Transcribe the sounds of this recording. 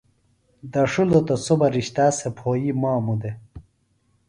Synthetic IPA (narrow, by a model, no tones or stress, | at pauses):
d̪ɐʂulot̪osobɐɾiɕt̪aːsepʰoːjimaːmud̪e